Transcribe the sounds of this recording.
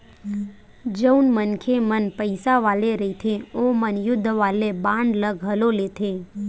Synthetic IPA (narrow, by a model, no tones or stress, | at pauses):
d͡ʒəwnmənkʰemənpəjsaʋaleɾəit̪ʰẽomənjʊd̪ʱːʋalebãɳɖləɡʱɦəlolet̪ʰe